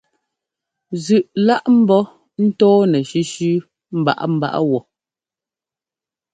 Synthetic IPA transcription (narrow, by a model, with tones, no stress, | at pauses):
zʉ˨ʔla˦ʔm̩˦bɔ˦ | n̩˦tɔː˦nɛ˨ʃi˦ʃʉ˦ | m̩˦ba̰˦ʔa˦m̩˦ba̰˦ʔa̰˦wɔ˨